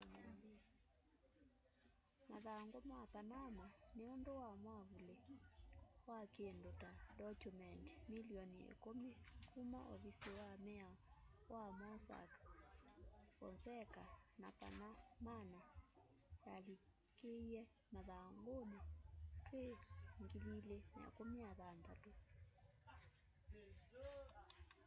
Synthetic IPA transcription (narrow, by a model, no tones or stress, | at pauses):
maðaŋɡomapanamaneondowamwaβule | wakendotadɔkumɛnti̥miliɔniḛkomekʰumaʔo̰βisewamɛawamɔsa̰kḁ | fɔ̰nsɛkanapa̰namana | jali | keiɛ | maðaŋɡonetweŋɡililena̰ḛkomiaðantato